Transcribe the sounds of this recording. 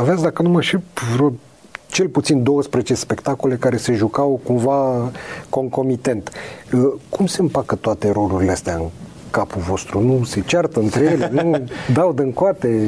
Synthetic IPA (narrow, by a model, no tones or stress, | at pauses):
aveat̪sʲd̪akənuməʃepvɾo | t͡ʃe̞lput̪sind̪o̞wəspɾezet͡ʃespe̞kt̪ako̞le̞kaɾe̞se̞ʒukawkumva | ko̞ŋko̞mit̪e̞nt̪əkumse̞mpakət̪oat̪e̞ɾo̞luɾileast̪eaɨŋ | kapuvo̞st̪ɾunuset͡ʃart̪əɨnt̪ɾeje̞leenud̪awd̪ɨŋkoat̪e̞